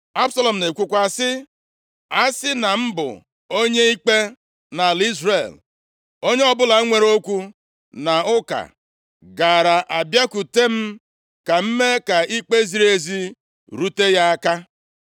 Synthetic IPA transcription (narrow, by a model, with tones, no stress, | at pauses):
a˦bsa˦lɔ˨m̩˨ne˨kʷu˦kʷa˨sɪ˦ | a˦sɪ˦na˨m̩˦bʊ̰˨ | o˦ɲe˦i˦k͡pe˦ | na˨li˦zɾe˨l | o˦ɲe˦ɔ˦bʊ˦la˨˦ŋʷe˨ɾo˦kʷu˦ | na˨ʊ˦ka̰˨ | ɡa˨ɾa˨ʔa˨bja˦ku˨te˦m̩˦ | ka˨m̩˦me˦ka˨i˦k͡pe˦zi˨ɾe˨zi˦ | ɾu˦te˦ja˦a˦ka˦